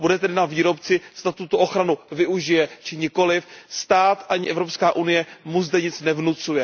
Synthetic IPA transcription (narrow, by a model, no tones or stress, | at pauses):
budɛt̪ɛdɪnaviːɾo̞pt͡sɪst̪at̪ut̪oʔoxɾanuvɪuʒɪjɛt͡ʃɪɲɪko̞lɪfst̪aːt̪ʔaɲɪʔɛvɾo̞pskaːʔunɪjɛmuzd̪ɛɲɪt͡snɛvnut͡sujɛ